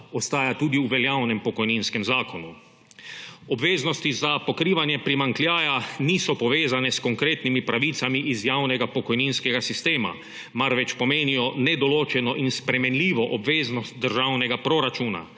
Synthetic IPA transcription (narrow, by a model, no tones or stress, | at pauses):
ost̪aːjat̪uːd̪iuʋɛljawnɛmpɔkɔjniːnskɛmzaːkonu | ɔbʋeːznɔst̪izapokɾiːʋanjɛpɾimaŋklʲjaːjaniːsɔpɔʋeːzanɛskoŋkɾeːt̪nimipɾaʋiːt̪samiʔizjaːwnɛɡapokɔjniːnskɛɡasist̪eːma̰ | maɾʋɛt͡ʃpɔmeːnijɔnɛd̪ɔloːt͡ʃɛnɔʔinspɾɛmɛnliːʋɔʔɔbʋeːznɔst̪̚d̪əɾʒawnɛɡapɾoɾat͡ʃuːna̰